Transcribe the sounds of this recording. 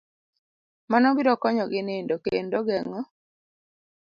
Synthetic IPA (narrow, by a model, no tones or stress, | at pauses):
manɔbiɾɔkɔɲɔɡɪnɪndokendoɡɛŋɔ